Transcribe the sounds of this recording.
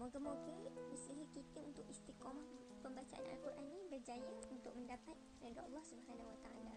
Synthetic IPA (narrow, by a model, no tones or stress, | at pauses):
mɔɡəmɔkiməsiɦikit̪iunt̪ʊk̚ist̪ikɔm | pəmbat͡ʃaʔa̰na̰lkuɾʔanːĩbərd͡ʒajaunt̪ʊk̚mə̃ndapat̪ | daɡaɑlːɔhsubəɦanawat̪aala